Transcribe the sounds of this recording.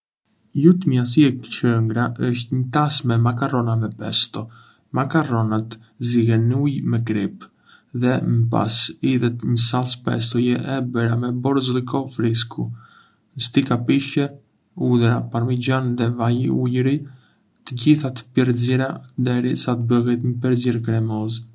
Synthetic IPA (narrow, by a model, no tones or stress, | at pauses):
jut̪əmias̬iɛkt͡ʃəŋɡɾaʔəʃt̪ɲət̪asmɛmakarɔnamɛpɛ̰st̪ɔ | makarɔnat̪ | ziɣɛnujmɛkɾip | ðɛməpa̰siðɛt̪ɲəsalˠspɛ̰s̬t̪ɔjɛʔɛbəɾamɛbɔɾzlɡɔfɾis̬kʰu | nəst̪ikapiʃɛ | udɾapaɾmid͡ʒanðɛvajiujɾij | t̪əɟiθat̪ə̥piɾziɾad̪ɛɾisat̪əbəɣɛt̪ɲəpɛɾziɾkɾɛmɔz